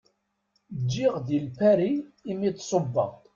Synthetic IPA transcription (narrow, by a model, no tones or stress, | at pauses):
d͡ʒːiʁðilpæɾiːmit̪ːˤsˤobːɑ̰